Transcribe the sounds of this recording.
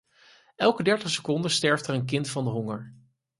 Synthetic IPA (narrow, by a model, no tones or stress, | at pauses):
ɛlˠkədɛɹtəχsə̥kɔndəstɛɹftəɹənkɪntfɑndəɦɔŋəɹ